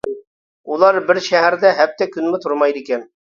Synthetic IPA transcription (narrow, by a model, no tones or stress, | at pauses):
ulˠɑɾbɪɾʃæɦæɾd̪ɛɦæp̚t̪ɛkʲʰynmɪt̪ʰʊɾmɑjd̪ikʲɛn